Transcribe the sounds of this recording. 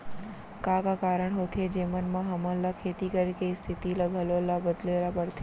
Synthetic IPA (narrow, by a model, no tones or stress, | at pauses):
kakakaɾəɳɦot̪ʰed͡ʒemənmãɦəməlakʰet̪ikəɾikeist̪ʰit̪iləɡʱəlolabəd̪lelapəɽt̪ʰ